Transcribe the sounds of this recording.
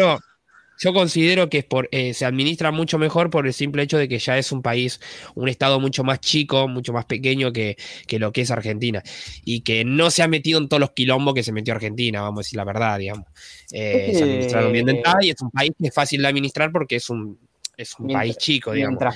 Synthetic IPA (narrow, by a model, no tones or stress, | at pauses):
ɾo | ʒ̥o̞ko̞nsiðe̞ɾo̞keespoɾeseaðminist̪ɾamut͡ʃo̞me̞xo̞ɾpo̞ɾe̞lsimpleet͡ʃo̞ð̞e̞ke̞ʒae̞sumpaisune̞st̪að̞o̞mut͡ʃo̞mast͡ʃiko̞mũt͡ʃo̞maspe̞ke̞ɲo̞keke̞lo̞kees̬aɾxe̞nt̪inaikeno̞seamet̪iðont̪ooloskilo̞mbokes̬e̞met̪jo̞aɾxe̞nt̪̬inaβamosaðesiɾlaβeɾð̞aðiɣamoseseaððminisɾaɾombjend̪ent̪aaiesumpaiskeesfasild̪eaðminist̪ɾaɾp̬o̞ɾkeesun | esumpaist͡ʃiko̞ðiɣao